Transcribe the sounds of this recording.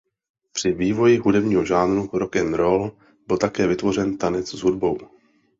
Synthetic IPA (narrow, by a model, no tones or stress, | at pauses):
pr̝̥ɪviːvo̞jɪɦudɛbɲiːɦo̞ʒaːnɾuɾokɛmɾol | bɪlt̪akɛːvɪt̪vo̞r̝ɛnt̪anɛt͡szɦudbo̞w